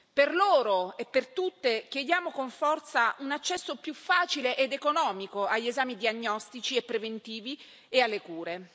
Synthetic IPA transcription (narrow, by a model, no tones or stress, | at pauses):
perloːɾoepːert̪ut̪ːekjed̪jaːmokoɱfɔrt̪saʔunat͡ʃːɛsːopjufːaːt͡ʃileʔed̪ekonɔːmikoaʎːezaːmid̪iaɲːɔst̪it͡ʃiepːɾevent̪iːvi | ealːekuːɾe